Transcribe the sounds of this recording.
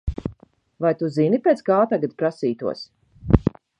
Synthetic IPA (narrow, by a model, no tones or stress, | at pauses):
vajt̪uzinipʲet̪sɡaːt̪aɡat̪̚pɾasiːt̪uɔs